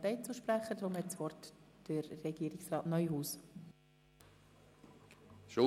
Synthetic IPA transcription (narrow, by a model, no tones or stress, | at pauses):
t̪ɛɪt͡suʃpɾæχːədɾʊmhɛtt͡sʋɔrtd̥əɾːɛɡiːɾɪksrɑːtnœʏɦuːs | ʃʊ